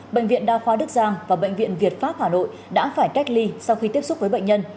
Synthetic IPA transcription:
ɓə̰˧˨jŋ̟vḭ˧˨ənɗaː˧xwaː˨˦ɗɨ˦˥ək̚zaː˧ŋvaː˨˩ɓə̰˧˨jŋ̟vḭ˧˨ənvi˨˩ət̚faː˦˥p̚haː˧˩no̰˧˨j | ɗa̰ː˧˥faː˧˩jka˦˥jk̟̚li˧sa˧wxi˧t̪i˦˥əp̚sʊ˦˥k͡p̚vəː˨˦jɓə̰˧˨ŋ̟ɲə˧n

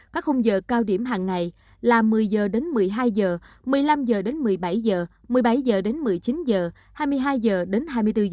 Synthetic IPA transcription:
kaː˦˥k̚xʊ˧wŋ͡mzəː˧˨˩kaː˧wɗi˧˩əmɦaː˨˩ŋːa˨˩j | laː˨˩mɨ˨˩əjzəː˨˩ɗe˨˦nmɨ˨˩əjɦaː˧jzəː˨˩ | mɨ˨˩əjla˧mzəː˨˩ɗe˨˦nmɨ˨˩əjɓa˧˩jzəː˨˩ | mɨ˨˩əjɓa˧˩˦jzəː˨˩ɗe˨˦nmɨ˨˩əjt͡ɕi˨˦nzəː˨˩ | haː˧jmɨ˧əjɦaː˧jzəː˨˩ɗe˨˦nɦaː˧jmɨ˧əjt̪ɨ˧

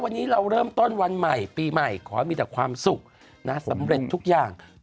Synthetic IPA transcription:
wa˧nːiː˦˥ɾa˧wɾɤː˥˩mt̪o˥˩nwa˧nma˨˩jpiː˧ma˨˩jkʰɔː˩˦miː˧t̪ɛː˨˩kʰwaː˧msu˨˩k̚ | na˦˥sa˩˦mɾe˨˩t̪ʰːu˦˥k̚jaː˨˩ŋ

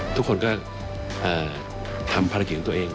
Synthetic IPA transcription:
t̪ʰu˥kʰːo˧nkɔː˥˩ | ʔaː˨˩ | t̪ʰa˧mpʰa˧ɾki˦˩˨t̪ːʔeː˧ŋ

